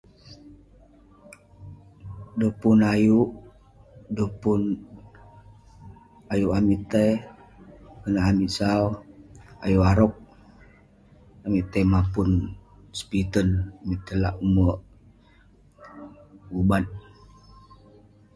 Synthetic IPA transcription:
dəpunajuʔ | dəpun | ajuʔamiʔt̪əj | kənaamiʔsau | a̰juʔaɾɔk̚ | amiʔt̪əmapun | spit̪ənamiʔt̪əla̰ʔumə | ubat̪̚

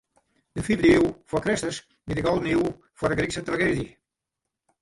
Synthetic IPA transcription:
d̪əfivdəiwfɔkɾɪstəs | bidəɡɔlˠdən̩iw | fɔdəɡɾiksət̪ɾaɡedjə

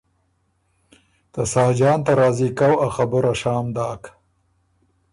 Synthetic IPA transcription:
t̪asɑːd͡ʒɑːnt̪aɾɑːzikawaxabʊɾaʃɑːmd̪ɑːk

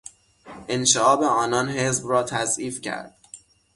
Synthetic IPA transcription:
ʔenʃeɒːbeɒːnɒːnɦe̞zbrɒːt̪ʰæzʔiːfcʰæ̰ɾd̪̥̚

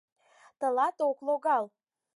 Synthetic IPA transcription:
t̪əlɑt̪okloɣɑl

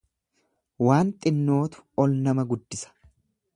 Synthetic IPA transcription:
waːnt̪ʼɪnːo̞ːt̪ʊ̥ɔlnɐmɐɡʊd̪ːɪsɐ̥

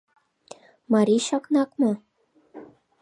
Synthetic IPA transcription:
mɑɾiʃɑknɑkmɤ

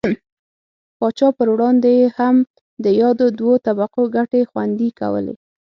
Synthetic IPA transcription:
pɑt͡ʃɑpəɾwɽɑnd̪ejeham | d̪əjɑd̪od̪wot̪abaqoɡaʈexwa̰nd̪ika̰wə̰lḛ

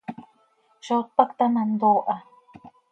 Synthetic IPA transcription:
ʃot̪̚pakt̪anand̪oːʔa

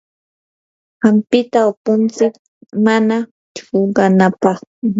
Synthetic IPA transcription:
ɢɑmpɪt̪aʊpʊnt͡sɪk̚ | mana | t͡ʃoɢɑnapɑχʊ

